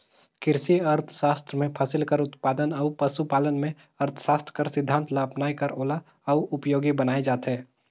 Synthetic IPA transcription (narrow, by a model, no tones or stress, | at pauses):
kɪɾsiɐɾt̪ʰʃaːst̪ɾəmẽpʰəsɪlkəɾʊt̪paːd̪ənɔːʊpəʃupaːlənmẽ | ɐɾt̪ʰʃaːst̪ɾəkəɾsɪd̪ʱːãːnt̪ʰlaːpnaːikɐɾoːla | ɐuʊpjoːɡibənaːed͡ʒaːt̪ɦɛː